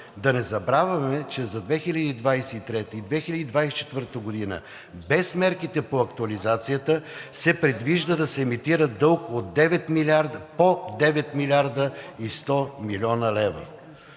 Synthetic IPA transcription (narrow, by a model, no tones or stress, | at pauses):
d̪ɐnɛzɐbɾavɐmɛt͡ʃɛzɐd̪vɛxilʲɐd̪iːd̪vajsɛit̪ɾɛt̪id̪vɛxilʲɐd̪iːd̪vajsɛt͡ʃɛ̥t̪vəɾt̪əɡod̪inə̰ | bɛsmɛɾkit̪ɛpoɐkt̪uɐlizat̪sijət̪əsɛpɾɛd̪viʒd̪əd̪ɐsɛːmit̪iɾəd̪ɤlˠkod̪d̪ːɛvɛt̪milʲaɾd̪pod̪ɛvɛt̪milʲaɾd̪əist̪ɔmilʲɔnəlɛvə̰